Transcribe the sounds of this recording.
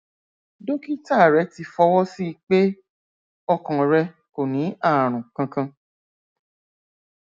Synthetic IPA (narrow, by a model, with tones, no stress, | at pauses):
do˦ki˦ta˦˨ɾɛ˨˦ti˧fɔ˧wɔ˦si˦˧k͡pe˦ | ɔ˧kã˨ɾɛ˧ | ko˨nĩ˨˦a˦˨ɾ̃ũ˨kã˧kã˧